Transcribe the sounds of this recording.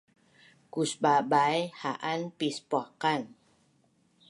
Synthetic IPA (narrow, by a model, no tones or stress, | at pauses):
kusbabajhaʔanpispakan